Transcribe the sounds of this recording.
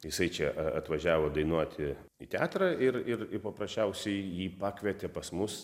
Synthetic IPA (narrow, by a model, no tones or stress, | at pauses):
jɪsɐɪt͡ʃʲɛʔɐɐt̪ʋɐʒʲæːʋoːd̪ɐɪnuɔt̪ʲɪ | it̪ʲæ̰ːt̪ɾɐɪrɪrɪɾpɐpɾɐsʲt͡ʃʲɛʊsʲɛɪjiːpɑːkʋʲɛt̪ʲɛpɐsmʊs